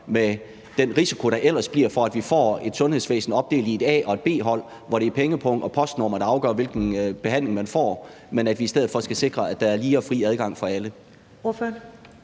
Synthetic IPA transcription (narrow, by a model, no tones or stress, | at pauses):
me | d̥enʁisikʰo̝ɾɑ̈ʔel̰ɐsb̥liɐfɒ̽æd̥ʋifɒ̰ːe̝d̥sɔ̽nhe̝ðˠsʋḛːsn̩ɒ̽b̥̚d̥e̝̰ːlied̥ɛ̰ːɒ̽e̝d̥̚b̥e̝̰ːɦɒ̽l̰ | ʋɒɾ̥e̝pʰeŋəpʰɔ̽ŋ̰ɒ̽pʰɒ̽sd̥nɔ̰ːmɐɾ̥ɑ̈ɑ̈ʊɡ̥ɶ̰ːɐʋe̝lɡ̥n̩b̥e̝ɦæn̰le̝ŋmænfɒ̰ː | menæd̥ʋiːsd̥eð̞̰̩ˠfɒ̽sɡ̥æse̝ɡ̥ʁɐæd̥ɑ̈æɐliːɐfʁḭːæð̞ˠɡ̥ɑ̈ŋ̰fɒ̽ælə | oføɐn